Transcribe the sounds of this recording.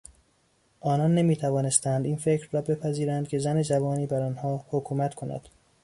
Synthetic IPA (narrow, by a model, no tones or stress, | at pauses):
ʔɒːnɒnːe̞miːt̪ʰævɒːne̞st̪ænd̪iːnfe̞cʰɾːɒːbe̞pʰæziːɾænd̪̥̚cʰʲe̞zæne̞d͡ʒævɒːniːbæɾɒːnhɒːhokʰuːmæt̪kʰo̞næ̰d̪̥